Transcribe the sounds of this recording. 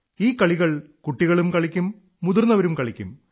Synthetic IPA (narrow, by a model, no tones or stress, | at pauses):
iːkːɐɭiɣɐɭkuʈːiɣɐɭumkɐɭikʲːumː | uðurnːɐʋɐɾumkɐɭikʲːṵm